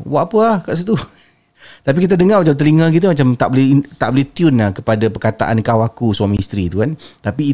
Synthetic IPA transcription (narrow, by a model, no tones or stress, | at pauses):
waʔapəahkaʔs̬it̪u | t̪ap̬ikit̪̬adəŋarmad͡ʒawt̪əɾiŋãk̬it̪̬əmat͡ʃamt̪a̰ʔbolɛit̪a̰ʔbolɛht̪jʊnahkəpadapərkat̪a̰ʔa̰nkawakusuamist̪ɾit̪ukant̪apiː